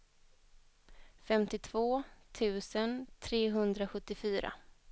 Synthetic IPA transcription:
fɛmt̪ɪt̪ʰv̥oːt̪ʰʉ̟ːsənt̪ʰɾeːɦɵnd̪ɾaɧɵt̪ːɪfyːɾa̰

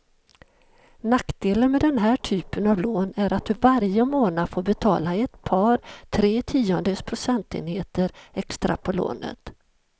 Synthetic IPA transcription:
nakd̪̥eːlənmɛd̪ɛnɦæːʈʰyːpənavloːnæɾat̪̚d̪ɵvaɾjəmoːnafoːɾbɛt̪ʰɑ̰ːlaɪɛt̪pʰɑːɾt̪ʰɾeːt̪ʰiːɔnd̪əspʰɾʊsɛnt̪ḛːnheːt̪əɾɛkst̪ɾa̰pʰɔlo̰ːnə̰t̪

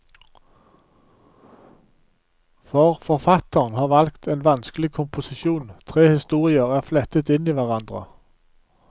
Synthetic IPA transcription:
fɔʁfɔʁfɑt̪əʁnhɑːʁʋɑlkt̪ʰeːnʋɑnsklɪkʰʊmpʊsɪʃuːnt̪ʰʁeːhɪst̪uːʁɪəʁæːʁflɛt̪ət̪ɪniːʋæʁɑnd̪ʁə̰

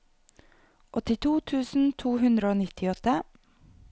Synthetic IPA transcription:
ʔɔt̪ɪt̪ʰuːt̪ʰʉːsn̩t̪ʰuːhʉnd̪ɾəoːnɪt̪ʰɪɔt̪ə

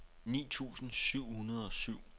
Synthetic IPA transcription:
nḭːt͡sʰṵːsn̩syʊ̰hunɐð̞ˠɒ̽syʊ̰

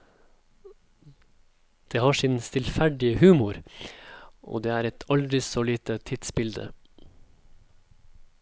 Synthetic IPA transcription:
d̪̥eːhɑːʂɪnst̪ɪlfæɖɪəhʉːmʊɾ | ʔo̰ːd̪eːæːɾɛt̪ʰɑld̪ɾɪsoːliːt̪ət̪ʰɪd̪sbɪld̪ə̰

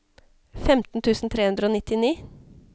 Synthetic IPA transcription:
fɛmt̪n̩t̪ʰʉːsn̩t̪ʰɾeːhʉnd̪ɾəoːnɪt̪ːɪniː

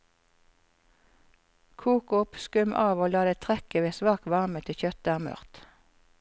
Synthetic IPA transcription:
kʰuːkʊpskʉmʔɑːʋoːlɑːd̪eːt̪ʰʁɛkəʋeːsʋɑːk̚t̪ʋɑʁmət̪ʰɪçœt̪̚d̪æːʁmœ̰ʁt̪

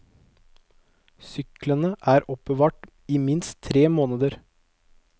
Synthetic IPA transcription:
sʏklənəʔæːɾɔp̚bəʋɑːʈ | iːmɪnst̪ʰɾeːmoːnəd̪əɾ

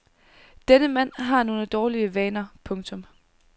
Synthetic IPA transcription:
d̥enəmæn̰ɦɑ̈no̝ːnəd̥ɒːliəʋɛːnɐpʰɔ̽ŋt͡sʰɔ̽m

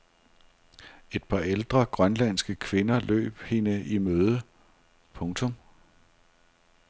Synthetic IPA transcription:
e̝d̥̚pʰɑ̈eld̥ʁɐɡ̥ʁɶnlænsɡ̥əkʰʋe̝nɐlø̰ːb̥he̝nəʔimøːð̞ˠə | pʰɔ̽ŋt͡sʰɔ̽m

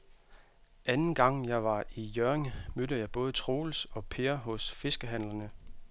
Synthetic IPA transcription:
ʔænn̩ɡ̥ɑ̈ŋ̰jɑ̈ɪʋɑ̈ʔijøʁeŋmød̥əjɑ̈ɪb̥ɔ̽ːð̞ˠət͡sʰʁo̝ːlsɒ̽pʰe̝ːɐɦɔ̽sfe̝sɡ̥əɦæn̰lɐnə

